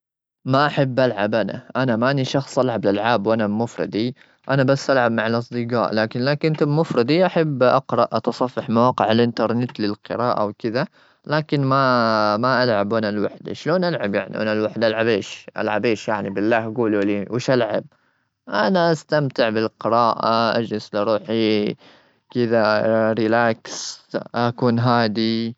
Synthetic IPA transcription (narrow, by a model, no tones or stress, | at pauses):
maʔaħabːʔalʕabʔana̰ʔanamaʔniʃɑxsˤʔalʕablalʕaːbwʔanabmʊfɾˤɑ̰d̪i | ʔanabasːʔalʕab̚maʕalʔɑsˤd̪ɨɡɑ̰ːʔlaːkɪnlaːkɪnt̪abmʊfɾˤɑd̪iʔaħabːʔɑqɾˤɑʔʔɑt̪ɑsˤɑfːɑħmawaːqɪʕalʔɪnt̪ɑɾˤnɪt̪lɪlqɨɾaːʔa̰wkɪða | laːkɪnmamaʔalʕabwʔanalwaħd̪a̰ʃloːnʔalʕabjaʕnḭʔa̰nalwaħd̪ʔalʕabeːʃʔa̰lʕabeːʃjaʕnibɪlːaːhaɡuːluliːwɪʃʔalʕab̚ | ʔanaʔast̪amt̪ɪʕbɪlqɪɾɑːʔa̰ʔa̰d͡ʒlɪslɑɾˤuːħi | kɪd̪aɾɪlaːksʔakuːnɦaːd̪i